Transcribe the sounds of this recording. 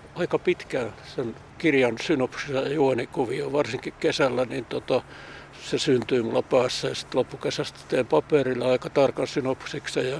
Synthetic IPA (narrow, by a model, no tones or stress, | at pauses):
ɑikɑpit̪kæːnsen | kirjɑnsynopsisɑjɑjuonikuʋioʋɑrsiŋkikkesælːænint̪ot̪ɑ | sesynt̪yimulːɑpæːsːæjɑsi̥t̪lopːukesæst̪t̪eːmpɑperilːeɑikɑt̪ɑrkɑnsynopsiksɑjɑ